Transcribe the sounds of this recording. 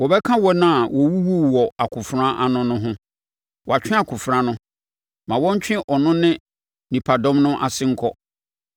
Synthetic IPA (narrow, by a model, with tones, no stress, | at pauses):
wɔ˨bɛ˦kʰã˦wɔ˦nã˦˨wɔ˨wu˦wu˦˨wɔ˨a˨kʰʊ˨fɾã˦ʔa˨nʊ̃˦nʊ̃˦ɦʊ̃˦ | wɔ˨a˨t͡ɕᶣɪ̃˦a˨kʰʊ˨fɾã˦nʊ̃˦ | mã˨wɔ̃˦ɲ̩˦t͡ɕᶣɪ̃˦ʔɔ˨nʊ̃˦nɪ̃˦ | nĩ˨pʰa˨dɔ̃˦mnʊ̃˦ʔa̰˨sɪ˦ŋ̩˦kʰɔ˦